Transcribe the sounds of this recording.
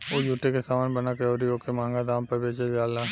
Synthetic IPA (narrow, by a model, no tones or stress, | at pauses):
oːd͡ʒuːʈekesaːmaːnbənakeoːɾiokemãːŋɡad̪aːmpɐɾbeːt͡ʃed͡ʒaːlaː